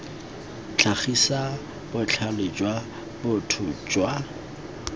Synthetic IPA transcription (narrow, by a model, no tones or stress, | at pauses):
t͡ɬʰaχisa | bʊt͡ɬʰalɪd͡ʒwa | bʊtʰʊt͡ʃwa